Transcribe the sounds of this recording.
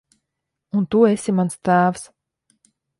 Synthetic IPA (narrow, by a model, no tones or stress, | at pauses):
unt̪uesʲimanst̪æːfs